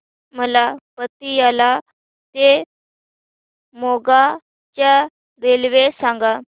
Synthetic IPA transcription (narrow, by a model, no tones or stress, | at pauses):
məlapət̪ːijala | t̪e | moɡa | t͡ɕja | ɾelʋesãŋɡa